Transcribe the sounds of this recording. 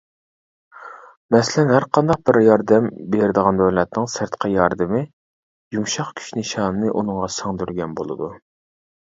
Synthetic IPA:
mɛslɛnhæɾqʰɑnd̪ɑq̚bɪɾjɑɾd̪ɛmbeɾɪd̪əʁɑnd̪ɛwlɛt̪nɨŋsɪɾt̪qʰɑjɑɾd̪ɨmɪ | juŋʃɑqkʲʰy̥ʃnɨʃɑːnnɨʔunɨŋʁɑsɑŋd̪yɾɡʲɛnbo̰lˠɨ̰d̪u

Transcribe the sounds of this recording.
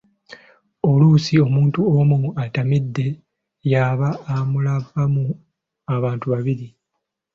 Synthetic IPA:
o̞luːsio̞muːntuomuatamidːe̞ | jaβaːmulavːamu | aβaːntuβaβiɾi

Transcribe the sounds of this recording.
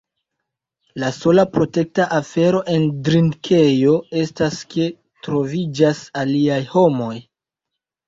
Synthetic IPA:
laso̞lapɾo̞te̞k̚taʔafe̞ɾo̞ʔe̞ndɾinkʰe̞jo̞e̞staske | tɾo̞vid͡ʒasaliajho̞mo̞j

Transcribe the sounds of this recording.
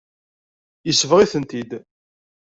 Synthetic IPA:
jəsːəvʁiθənt̪id̪

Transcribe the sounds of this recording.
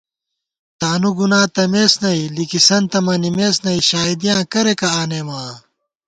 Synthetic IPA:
t̪aːnuɡunãːt̪ɐmeːsnɐilikisɐnt̪ɐmɐnimeːsnɐiɕaːid̪ijãːkɐɾekɐaːneːmãː

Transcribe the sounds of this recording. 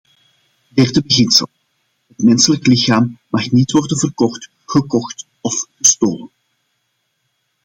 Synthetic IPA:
dɛrdəbəɣɪnsə̰lˠ | ɦətmɛnsələklɪxaːmːɑχnitʋɔrdənvərkɔxt | χəkɔxt | ɔfɣəstoːlən

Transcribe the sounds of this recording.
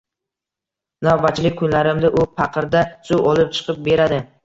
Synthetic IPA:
nawbat͡ʃʰːlɪk̚ʲkʰʊnlaɾɪmd̪ɪʔʊpʰɑqʰɨɾd̪asʊwɒlˠɪp̚t͡ʃʰɨ̥qʰɨp̚be̞ɾad̪ɪ

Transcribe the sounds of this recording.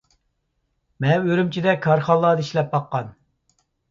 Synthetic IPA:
mɛnøɾymt͡ʃʰid̪ɛkʰɑɾχɑlˠːɑd̪iʃlɛp̚bɑqːɑn

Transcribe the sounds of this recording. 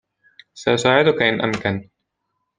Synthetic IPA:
saʔʊsaːʕɪd̪ʊkaʔɪnʔa̰mkan

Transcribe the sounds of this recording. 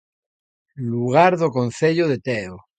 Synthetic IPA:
luɣ̞aɾðokon̟θeʎoðet̪eo

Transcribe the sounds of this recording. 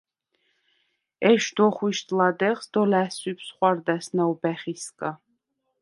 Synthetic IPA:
ɛʃd̪ɔχwiʃt̪ʼlad̪ɛχsd̪ɔlæsipʰsχwaɾd̪æsnawbɛχiskʼa

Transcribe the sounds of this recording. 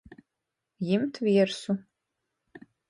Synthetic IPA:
jɪmtʰviɛrsu

